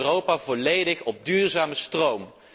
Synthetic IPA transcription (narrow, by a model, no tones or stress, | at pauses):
rowpaːvɔlejdəχɔb̚dyːrzaːməstrowm